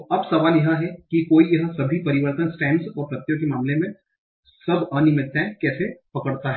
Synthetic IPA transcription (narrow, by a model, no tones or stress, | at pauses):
ʔɐbsɐʋaːljɐɦãɦɛkikoːijɐɦə̃sɐbʱipɐɾɪʋəɾt̪ənsʈɛ̃ːmzɔːɾpɾɐt̪jokemaːmlemẽ | sɐbaːnɪmɪt̪ːɛ̃kɛːsepɐkəɽt̪aɦɛː